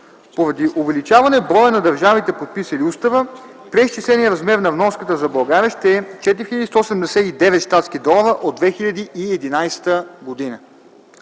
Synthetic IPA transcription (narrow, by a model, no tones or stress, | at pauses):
poɾɐd̪iʔʊvɛlit͡ʃavɐnɛbɾɔjənɐd̪ɐɾʒavit̪ɛpot̪̚pisəliust̪ɐvə | pɾɛist͡ʃislɛnijəɾɐzmɛɾnɐvnɔskət̪əzɐbɐlˠɡaɾʲiəʃt̪ɛɛt͡ʃɛt̪iɾixilʲɐd̪ist̪oosɛmd̪ɛsɛid̪ɛvɛt̪ʃt̪at̪skid̪ɔlˠvəʔod̪vɛxilʎʲɐd̪iʔiɛd̪inajsɛ̥t̪əɡod̪inə